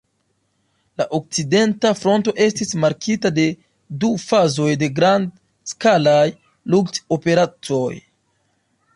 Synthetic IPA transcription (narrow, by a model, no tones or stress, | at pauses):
laʔo̞k̚t͡side̞ntafɾo̞nto̞ʔe̞stismaɾkitade̞ | dufazo̞jde̞ɡɾand | skalaj | lukto̞pe̞ɾat͡so̞j